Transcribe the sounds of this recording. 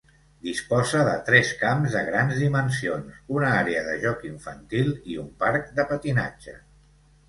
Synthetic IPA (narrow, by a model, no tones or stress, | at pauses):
d̪ispɔzəðə̰t̪ɾɛskamzðəɣɾanzðimənsionsunəaɾeəðəʒɔkiɱfənt̪ilˠiumpaɾk̚d̪əpət̪ina̰d͡ʒə̰